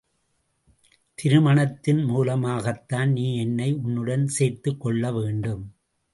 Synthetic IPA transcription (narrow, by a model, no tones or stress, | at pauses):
t̪ɪɾɯmɐɳɐt̪ːɪnmuːlɐmaːɣɐt̪ːaːnniːɛnːɐɪʊnːɯɽɐnseːɾt̪ɯkːɔɭːɐʋeːɳɖɯm